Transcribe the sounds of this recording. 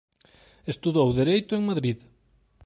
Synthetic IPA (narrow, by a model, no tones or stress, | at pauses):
est̪uðowðeɾejt̪ʊeŋmaðɾið